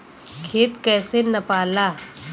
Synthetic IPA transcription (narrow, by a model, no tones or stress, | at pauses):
kʰeːt̪kɛːsenɐpaːlaː